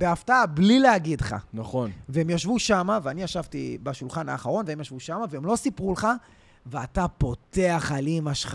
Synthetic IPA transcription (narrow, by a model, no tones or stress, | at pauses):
beaftaablileaɡidχa̰naχonveemjaʃvuʃamaveaniaʃavt̪ibaʃulχana̰ːχaʁo̞nveemjaʃvuʃamaveemlo̞sipʁuleχa | veatapo̞t̪e̞aχalimaʃχ